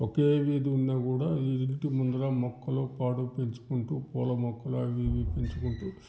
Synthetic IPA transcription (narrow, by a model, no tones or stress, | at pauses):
wokeːʋiːd̪iunːaːkuːɽaːiiɳʈimund̪ɐɾaːmɔkːɐloːkːaːɽupeɲt͡ʃu̥kuɳʈuːpɔːlɐmɔkːɐloɐʋiːd̪ipeɲt͡ʃukuɳʈuː